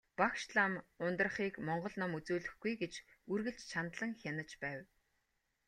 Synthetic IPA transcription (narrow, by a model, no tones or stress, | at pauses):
pakʃɮamʊnt̪ə̆rχiːkmɔɴɢɞ̆ɮnɔmut͡suːɮɘ̆xɡujɡet͡ɕurɣɘ̆ɬt͡ɕt͡ɕʰant̪ɮə̆ŋxʲjanə̆t͡ɕpæːw